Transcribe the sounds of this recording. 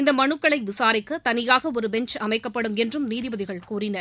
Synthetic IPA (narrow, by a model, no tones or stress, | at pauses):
ɪnd̪ɐmɐɳɯkːɐɭɐɪʋɪsaːɾɪkːɐt̪ɐnɪjaːɣɐɔɾɯbɛɲt͡ʃɐmɐɪkːɐpːɐɽɯmɛndrɯmniːðɪʋɐðɪɣɐɭkuːrɪnɐɾ